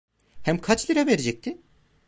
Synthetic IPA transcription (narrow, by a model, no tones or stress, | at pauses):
hæmkʰat͡ʃlʲˠiɾaveɾed͡ʒɛc̚t̪ʰɪ